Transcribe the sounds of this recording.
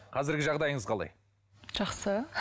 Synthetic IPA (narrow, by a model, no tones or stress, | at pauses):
qʰɑzɪɾɡʲɪʒɑʁd̪ɑjəɴəzqʰɑlˠɑ̰j | ʒ̥ɑqsə